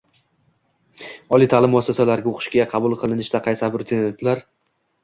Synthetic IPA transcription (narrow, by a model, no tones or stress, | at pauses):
ɒlˠijt̪ʰalˠɪmɒsasalaɾɡʲaoqʰɨ̥ʃkʲaaqʰɑbʊlˠqʰɨlˠɪnɪʃd̪aqʰɑjsabɪɾt̪ʰenet̪laɾ